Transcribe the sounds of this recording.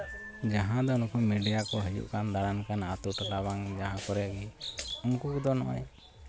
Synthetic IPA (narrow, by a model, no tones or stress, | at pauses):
d͡ʒaɦãd̪ɔunkumiɖijakɔɦəjṵʔkand̪aɽankanat̪uʈlabaŋd͡ʒaɦãkɔɾɛɡiunkukd̪ɔnɔ̰ʔɔ̰j